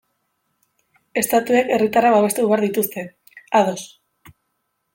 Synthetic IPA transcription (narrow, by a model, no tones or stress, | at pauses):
e̞st̪at̪ueke̞rit̪araβaβ̞e̞st̪euβeaɾðit̪ust̪e̞ | aðo̞s